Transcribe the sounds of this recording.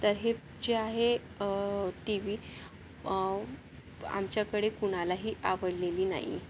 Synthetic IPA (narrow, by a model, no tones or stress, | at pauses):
t̪əɾɦe | d͡ʑeaɦe | ʈiʋiː | a̰mt͡ɕjakəɽekuɽ̃alaɦiːʔaʋəɽleliːna̰ɦḭ